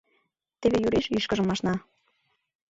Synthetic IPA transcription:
t̪eβejyɾeʃiʃkə̆ʒəmɑʃnɑ

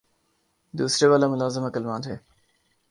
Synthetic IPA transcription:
d̪uːsɾeʋaːlamʊlaːzəmɐkəlmãːnʰeː

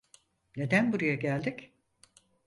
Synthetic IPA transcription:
ne̞d̪ænbuɾujaɟælʲd̪ic

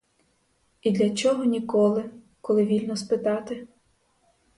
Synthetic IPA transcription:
id̪lʲɐt͡ʃɔɦɔnʲikɔlˠɪ | kɔlˠɪʋʲilʲnɔspɪt̪ɑt̪ɪ

